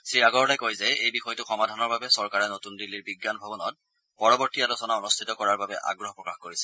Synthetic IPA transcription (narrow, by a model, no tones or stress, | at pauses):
sɹiaɡɔɹlajkojzɛejbixɔjɔtʊxɔmadʱanɔɹbabɛsɔɹkaɹɛnotundilːiɹbiɡːanbʱabɔnɔt̚ | pɔɹɔbɔɹtialɔsɔnaonustʰitɔkɔɹaɹbabɛʔa̰ɡɹɔɦɔpɹɔkaxkoɹisɛ